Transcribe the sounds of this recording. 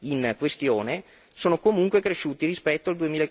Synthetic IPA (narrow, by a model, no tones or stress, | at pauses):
inkwest̪joːne | soːnokomuŋkwekɾeʃuːt̪irispɛt̪ːoald̪uemiːlae